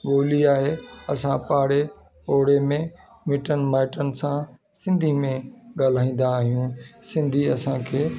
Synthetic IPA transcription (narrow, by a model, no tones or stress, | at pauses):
ɓoːliaːɦeɐsãpaːɽe | oːɽemẽ | mɪʈənmaːɪʈənɪ̆sã | sɪ̃nd̪ʱimẽɠaːl̤aːĩːn̆d̪aːɦijũsɪ̃nd̪ʱiɐsãkʰeː